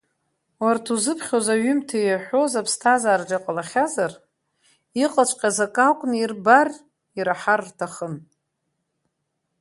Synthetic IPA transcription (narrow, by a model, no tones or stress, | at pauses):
wartʰuzɨpʰχʲozaɥʏmtʰajaħʷᶣozapʰstʰazaːrd͡ʒaqʼalaχʲazar | iqʼat͡ʃʷʰʼqʲʼazakʼakʷʼnirbar | iɾaħarːtʰaχən